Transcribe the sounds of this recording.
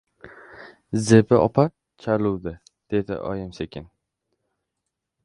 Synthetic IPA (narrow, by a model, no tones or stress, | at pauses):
zebɪʔɒ̰pʰaɾ | t͡ʃʰaluwd̪ɪ | d̪̥e̞d̪ɪ̰ʔɒ̰jɪmsekʲʰɪn